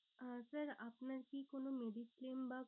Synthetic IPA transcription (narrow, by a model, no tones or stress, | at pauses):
əsəɾapnəɾkikoːnomeːɖikkleːmba